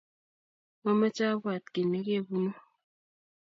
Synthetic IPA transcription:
ma˦ma˦t͡ʃa˦bwa˨t̚ke˨ne˨˦ke˦˨bu˦no˦

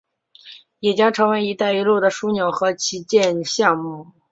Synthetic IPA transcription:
jɛ˨˩t͡ɕjɑ˥ŋʈ͡ʂʰɤ˧˥ŋwe˧˥ɪi˧˥t̪a˥˩ɪi˧˥lu˥˩d̪ə˩ʂu˥njo˨˩ʊxɤ˧˥t͡ɕʰi˧˥t͡ɕjɛ˥˧nɕjɑ˥˧ŋmu˥˩

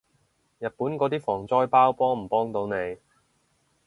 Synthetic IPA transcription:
jɐ˨t̚puː˨˥nkɔː˨˧t̪iː˥fɔː˨˩ŋt͡sɔː˥jpaː˥wpɔː˥ŋm̩˨˩pɔː˥ŋt̪o˨˧wne˨˧j

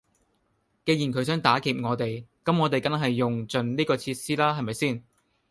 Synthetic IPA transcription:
ke˧jiː˨˩nkʰɵ˨˥ɥs̬œː˨˥ŋt̪aː˨˥kiː˨p̚ŋɔː˨˧t̪e˨˩jkɐ˨˥mŋɔː˨˧t̪e˨jkɐ˥nɦɐ˨jːʊ˨ŋt͡sɵ˨˩nliː˥kɔː˧t͡sʰiː˧t̚siː˥laː˥ɦɐ˨jmɐ˨˩jsiː˥˩n

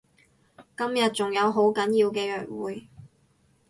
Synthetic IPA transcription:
kɐ˥mjɐ˨t̚t͡sʊ˨ŋjɐ˨˧wɦo˨˥wkɐ˨˥njiː˧wkɛː˧jœː˨t̚wuː˨˩j

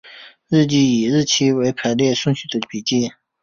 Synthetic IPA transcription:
ɻ̩˥˧t͡ɕi˥˩i˨˩ɻ̩˥˩t͡ɕʰi˥we˧˥ɪpʰə˧˥ljɛ˥˧ʂʊ˥˧ŋɕy˥˩d̪ə˨˩pi˨˩t͡ɕi˥˨

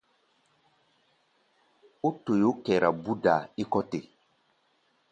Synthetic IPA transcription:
o˦to˨jo˦kɛ˨ɾa˨bu˦da˨i˦kɔ˦te˨

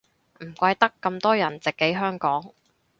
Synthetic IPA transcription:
m̩˨˩kʷɐ˧jt̪ɐ˥kːɐ˧mt̪ɔː˥jɐ˨˩nt͡sɪ˨kːe˨˥jɦœː˥ŋkɔː˨˥ŋ

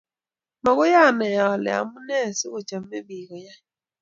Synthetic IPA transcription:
ma˨ɣʊ˦ja˦˨na˨ja˨ɔ˨lɪ̰˨a̰˨mʊ˦ne˦˨sɪ˦ɣʊ˨t͡ʃa˨m̩˦me˦bi˨ɣɔ˨ja˦

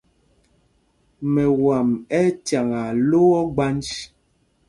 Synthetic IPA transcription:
mɛ˨wa˨mɛ˦tja˨ŋa˨lo˦ɔ˦ɡ͡ba˦nd͡ʒ

